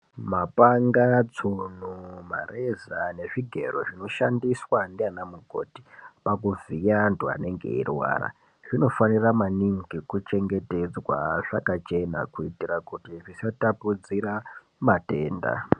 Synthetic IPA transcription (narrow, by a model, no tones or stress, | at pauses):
mapaŋɡat͡sunuma̰rezane̞ʐiɡʱe̞̰ro̞ʐino̞ʃandiswandianamuɡʱo̞̰ti̥pakuvijantua̰ne̞ŋɡe̞̰ḭrwa̰ːɾa̰ | ʐino̞faniramaniŋɡikut͡ʃe̞ŋɡe̞te̞d͡zwa̰ʐ̥akat͡ʃe̞na̰kuitirakutiʐisatapud͡ziɾa | mate̞ːnda̰